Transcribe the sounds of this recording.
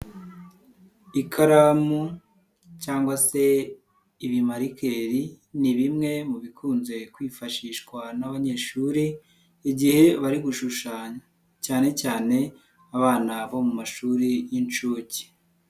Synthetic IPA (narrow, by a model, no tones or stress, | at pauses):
ikʰaɾamu | caːŋɡwase̞ | iβimaɾikʰe̞ɾi | niβimŋe̞muβikʰuːnze̞kwiːfaʃiːʃkwanaβaɲeːʃuːɾiː | ɟihe̞βaɾiɡuʃuʃaːɲa | caːne̞caːne̞ | aβaːnaβo̞mumaʃuːɾijint͡ʃuci̥